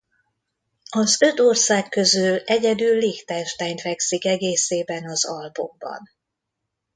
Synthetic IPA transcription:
ɒzø̞t̪o̞rsaːkːø̞zylɛɟɛd̪ylːiːxt̪ɛnʃt̪ɛːɲt̪ʋɛksikɛɡeːseːbɛnɒzɒlbo̞̰m̚bɒ̰n

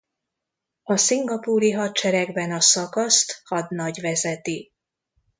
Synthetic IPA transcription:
ɒsiŋɡɒpuːɾiɦɒt̪̚t͡ʃɛɾɛɡbɛnɒsɒkɒst̪hɒd̪nɒɟvɛzɛt̪i

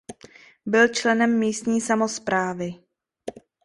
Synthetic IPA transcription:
bɪlt͡ʃlɛnɛmːiːst̪ɲiːsamo̞spɾaːvɪ

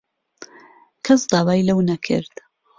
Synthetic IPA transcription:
kʰɐsd̪aːwaːjlɐwnɐkʰɨ̰ɾd̪̥

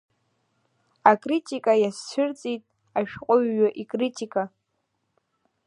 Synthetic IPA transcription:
akʼritʼikʼajast͡ʃʷʰʊrt͡sʼitʼ | aʃᶣqʼʊɥːaʔikʼritʰʼikʼa

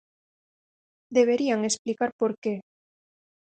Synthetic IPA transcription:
d̪eβeɾiaŋesplikaɾpoɾke

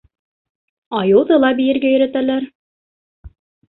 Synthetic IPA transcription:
ɑjɤ̆w̪ˠðɤlˠɑbijɘ̆ɾɡæjɵ̆ɾæt̪ælæɾ

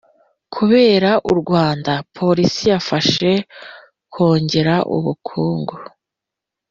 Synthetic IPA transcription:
kʰuβe̞ːɾaʔuɾɡwaːndapʰo̞ɾisijafaʃe̞ | ko̞ːɲɟe̞ɾaʔṵβukʰuːŋɡo

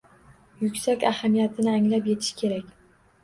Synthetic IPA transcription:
jʊkʲsakʲahamijat̪ʰɪnɪaŋlapjet̪ʰɪ̥ʃkʲʰe̞ɾakʲ

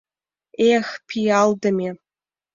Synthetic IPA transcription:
expʰijaldɐme

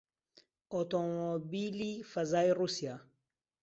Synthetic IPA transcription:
otomobilifazajɾusia

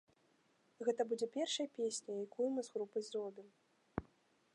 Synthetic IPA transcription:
ɣɛt̪ɐbud͡zʲɛpʲɛrʂɐjɐpʲesʲnʲɐjakujumɨzɣɾupɐjzrɔbʲim

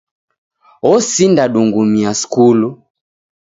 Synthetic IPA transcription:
ɔsindaɗuŋɡumiaskulu

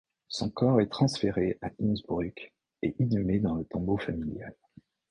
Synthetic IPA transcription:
sɔ̃kɔʁɛt̪χɑ̃sfeʁeaʔinzbʁik | eʔinymed̪ɑ̃lət̪ɔ̃bofamiljal

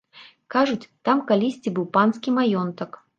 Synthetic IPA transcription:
kaʐʊt͡sʲt̪amkalʲisʲt͡sʲibɨwpanskʲimajɔnt̪ək

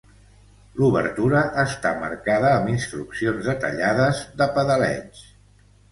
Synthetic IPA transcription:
luβə̰ɾt̪uɾəʔːst̪amə̰ɾkaðəːminst̪ɾuksionzðət̪ə̰ʎaðəzðəpəðəlɛ̰ɲs

